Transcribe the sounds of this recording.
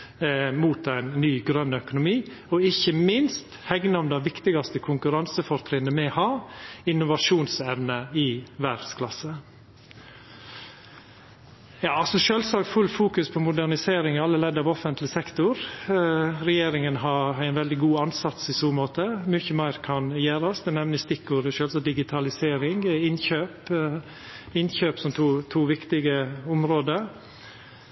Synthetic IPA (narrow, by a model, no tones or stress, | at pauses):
muːt̪æɪnnyːɡɾœnːəœkʊnʊmiː | ɔɪçəmɪnst̪hɛɡnəɔmd̪æɪʋɪkt̪ɪɡɑst̪əkʰʊŋkʉɾɑnsəfɔɾt̪ʰɾɪnːəmɛhɑːɪnːʊʋɑʂuːnsɛʋnəɪʋæɖskʰlɑsə | jɑːɑsɔʃøːlsɑːkfʉlfuːkʉspʰɔmʊd̪æɳɪseːɾɪŋɪɑlːəlɛd̪ːɑːʋɔfənt̪lɪsɛkt̪ʊɾ | ɾɛjeːɾɪŋənɦɑɾæɪnʋɛld̪ɪɡuːɑnsɑt̪sɪsuːmoːt̪əmʏçəmæɪɾkʰɑnjæːɾɑsd̪ɛnɛmnəst̪ɪkːʊɾəʃøːlsɑt̪̚d̪ɪɡɪt̪ʰɑlɪseːɾɪŋɪnçøːp | ɪnçøːpsɔmt̪ʰuːt̪ʰuːʋɪkt̪ɪɡəʊmɾoːd̪əɾ